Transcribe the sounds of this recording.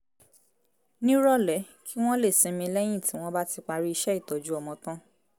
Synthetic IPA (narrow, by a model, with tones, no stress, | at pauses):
nĩ˦ɾɔ˦˨lɛ˨˦ | kʰi˦w̃ɔ̃˦le˦˨sĩ˨˧mĩ˧lɛ˦j̃ĩ˦˨tĩ˨˦w̃ɔ̃˦ba˦ti˧k͡pa˧ɾi˦i˧ʃɛ˦i˦˨tɔ˨d͡ʒu˦ɔ˧mɔ̃˧tã˦